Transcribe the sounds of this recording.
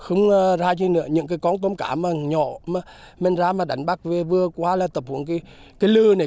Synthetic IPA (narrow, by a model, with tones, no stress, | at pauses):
xə˧wŋ͡mzaː˧t͡ɕə˧nɨ̰˧˥əɲɨ̰˧˥ŋkaː˨˦jkɔ˨˧˦nt̪ə˧mkaː˧˩˦maː˨˩ɲɔ̰˧˨maː˨˩ | me˨˩nzaː˧maː˨˩ɗa˨˦jŋ̟ɓa˦˥k̚ve˨˩vɨ˧əkwaː˧laː˨˩t̪ə˨˩p̚hu˧˩ənkaː˨˦ | kaː˨˦jlɨ˧na˨˩